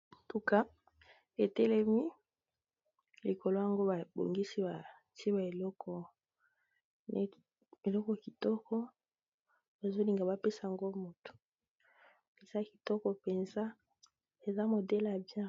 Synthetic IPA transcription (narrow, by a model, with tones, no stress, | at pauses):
tu˨ka˦ | e˨tɛ˦le˦mi˦ | li˨ko˨lo˦ja˨ŋɡo˦ba˨bo̰˨ŋɡi˦si˦ba˨ | ti˦e˦ba˨e˨lɔ˦kʰɔ˨ | ne˦ | e˨lɔ˦kɔ˨ki˨tɔ˦kɔ˦ | e˨zo˦li˨ŋɡa˨ba˨pe˦sa˨ŋɡo˦mo˨to̥˨ | e˨sa˦ki̥˨tɔ˦kɔ˨pe˨nza˦ | e˨za˦mo˨dɛ˦la˨bjɛ̃˦